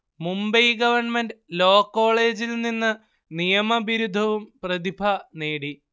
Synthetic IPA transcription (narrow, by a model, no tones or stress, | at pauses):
mumbɐjɡɐʋɐrɳmenɖɨlo̞ːkːo̞ːɭe̞ːd͡ʑilninːɨ | nijɐmɐbiɾud̪ʱːɐʋumprɐðibʱɐneːɽi